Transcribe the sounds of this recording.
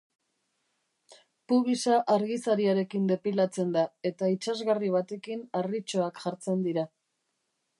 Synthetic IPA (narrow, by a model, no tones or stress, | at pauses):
puβisaʔaɾɣisaɾiaɾe̞kind̪e̞pilat͡se̞nd̪ae̞t̪ait͡ʃazɣariβ̞at̪e̞kinarit͡ʃo̞akʝaɾt͡se̞nd̪iɾa